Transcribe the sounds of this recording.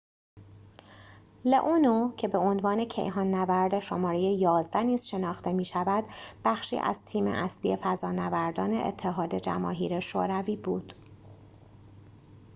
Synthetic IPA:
leʔunocʰe̞be̞onvɒːne̞cʰe̞̰jɦɒːnːævæɾd̪eʃomɒːɾe̞jejɒːzd̪æniːz̥ʃe̞nɒːxt̪e̞miːʃævæd̪̥b̥æxʃḭːʔæ̰z̥t̪ʰiːmḛʔæslije̞fæzɒːnævæɾd̪ɒːneʔḛt̪ʰːe̞ɦɒːd̪e̞d͡ʒæ̰mɒ̰ːɦiːɾe̞ʃo̰ːɾæviːbṵːd̪̥

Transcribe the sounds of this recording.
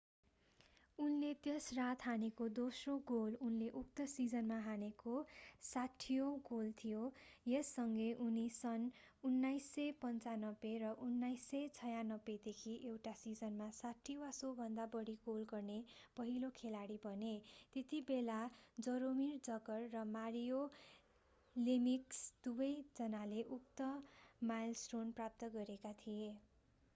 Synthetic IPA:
unlet̪esrat̪ɦanekod̪osroɡolunleʔuk̚t̪ʌsid͡zʌnmaɦanekosaʈʰːijoɡolt̪ʰijojesːʌŋɡʌjʔunisʌnunːajsːʌpʌnt͡sanʌberʌʔunːajsːʌjt͡sʰʌjanʌbed̪ekʰiʔewʈasid͡zʌnmasaʈʰːiwasobʱʌnd̪abʌɽikolɡʌrnepʌɦilokʰelaɽibʱʌnet̪et̪ibelad͡zʌɾomird͡zʌɡʌrːʌmaɾijo | limiksd̪̥ubʌjd͡zʌnaleʔukt̪ʌmajlsʈronprap̚t̪ʌɡʌɾekat̪ʰije

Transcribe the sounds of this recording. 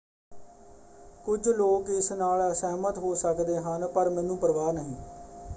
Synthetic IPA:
kʊd͡ʒloːkɪsnaːləsɛːmət̪ɦoːsəkd̪eːɦənpəɾmɛ̃ːnũːpəɾʋaːnəɦĩː

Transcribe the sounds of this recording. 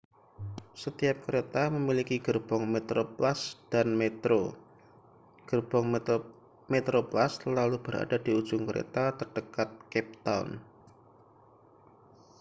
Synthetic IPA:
sət̪iap̚kəɾet̪aməmilikiɡ̥ərb̥ɔŋmet̪ɾoplasd̥anmet̪ɾo | ɡ̥ərb̥ɔŋ | met̪ɾoplaslalub̥əɾa̰d̥adiu̥ʒ̥ʊŋkəɾʔḛt̪at̪ərɖ̥əkat̪̚kɛp̚t̪aw̰n

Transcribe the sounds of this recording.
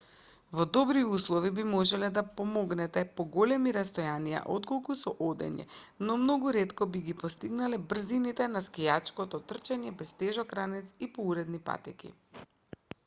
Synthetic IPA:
vɔd̪ɔbɾiuslˠɔvibimɔʒɛlɛd̪apɔmɔɡnɛt̪ɛpɔɡɔlɛmiɾast̪ɔjanija̰ʔot̪kolˠkusɔʔɔd̪ɛ̰ɲɛ̰nɔmnɔɡuɾɛt̪kɔbiɡipɔst̪iɡnalɛbr̩zinit̪ɛnaskijat͡ʃkɔt̪ɔt̪r̩t͡ʃɛɲɛbɛst̪ɛʒɔkɾanɛt̪sipɔuɾɛd̪nipa̰t̪ɛkḭ

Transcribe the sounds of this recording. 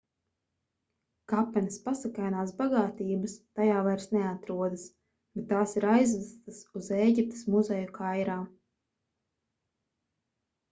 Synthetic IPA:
kapːɛnʲispasakajnaːsbaɡaːt̪iːbɐst̪ajaːvajɾsnɛat̪ɾuɔd̪ɨs | b̥et̪ːaːsiɾajzvast̪ɐsuzeːɟʲip̚t̪ə̥smuzɛjukʰajɾaː

